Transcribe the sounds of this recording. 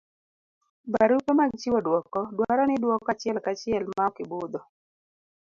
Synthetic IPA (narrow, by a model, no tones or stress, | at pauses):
baɾupemaɡt͡ʃiwɔdwɔkɔdwaɾɔnɪdwɔkːat͡ʃɪɛlkat͡ʃɪɛlmaɔkɪbʊd̪ɔ